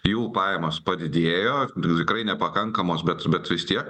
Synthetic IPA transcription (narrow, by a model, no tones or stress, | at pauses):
juːpɑːjɛmoːspɐd̪ʲɪd̪ʲeːjoːt̪ʲɪkɾɐɪnʲɛpɐkɐŋkɐmoːsbʲɛt̪bʲɛt̪ʋʲɪst̪ʲiɛk